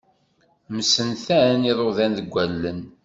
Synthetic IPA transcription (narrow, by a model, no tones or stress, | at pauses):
məsənθæniðˤoðænðəɡʷːælːən